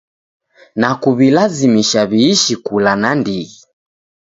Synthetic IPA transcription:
nakuβilazimiʃaβiːʃikulanandiɣi

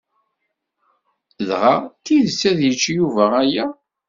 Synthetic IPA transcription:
ðʁat̪ːiðsæðjət͡ʃːjuvææjæ

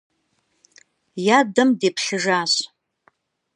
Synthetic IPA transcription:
jadɨmdepʰɬɨʐaɕ

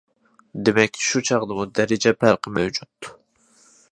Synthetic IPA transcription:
d̪emɛkʲʃut͡ʃʰɑʁd̪ɨmud̪ɛɾɪd͡ʒɛpʰæɾqʰəmɛwd͡ʒut̪ːu̥

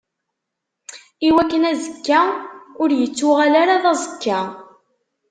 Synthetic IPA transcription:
iwækːənæzəkːæʊɾjət͡sːʊʁalaɾaðˤɑzəkːa

